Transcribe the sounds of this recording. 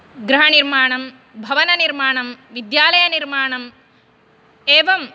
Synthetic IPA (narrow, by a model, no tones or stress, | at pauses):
ɡɾɐɦɐɳiɾmaːɳɐm | bʱɐʋɐnɐniɾmaːɳɐmʋid̪jaːlɐjɐniɾmaːɳɐm | eːʋɐm